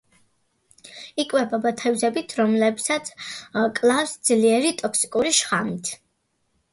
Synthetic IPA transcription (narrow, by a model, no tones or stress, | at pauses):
ikʼwɛbabat̪ʰɛvzɛbit̪ʰɾɔmlɛbsat̪sʰkʼlˠafsd̪zliɛɾit̪ʼɔksi̥kʼuɾiʃχamit̪ʰ